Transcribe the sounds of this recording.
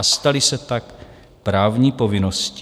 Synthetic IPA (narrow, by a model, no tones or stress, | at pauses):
ast̪alɪsɛt̪ak | pɾaːvɲiːpo̞vɪnosc